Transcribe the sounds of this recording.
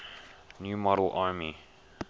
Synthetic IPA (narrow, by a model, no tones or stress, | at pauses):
njuːmɔɾəl̩ʔaːmi